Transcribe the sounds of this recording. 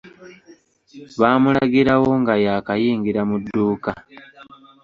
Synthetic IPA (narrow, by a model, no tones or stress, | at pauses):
βaːmulaɡiɾawo̞ŋɡajaːkajiːŋɡiɾamudːuːka